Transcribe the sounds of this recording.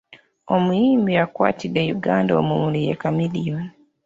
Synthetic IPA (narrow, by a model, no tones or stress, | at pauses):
omujiːmbiakwa̰ːtidːejuɡaːndaomumulijḛkamilijoni